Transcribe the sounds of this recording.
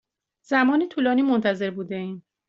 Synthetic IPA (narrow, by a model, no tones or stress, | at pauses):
zæmɒːnet̪ʰuːlɒːniːmont̪ʰæze̞ɾbuːd̪eiːn